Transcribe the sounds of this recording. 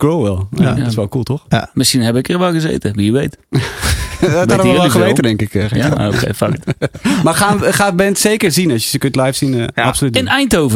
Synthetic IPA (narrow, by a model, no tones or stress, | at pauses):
kloːʋɛlˠɪsʋɛlˠkulˠtoxmɪsxinhɛbɪkərʋɛlˠɡəzḛːtəʋijəʋejt | ətaɾəxəʋeːtədɪŋkɪkɛo̰kḛfaktmaxaxaːt̚bɛntseːkərzinɔssəkøntlɛjfsinasolytənɛjntowvə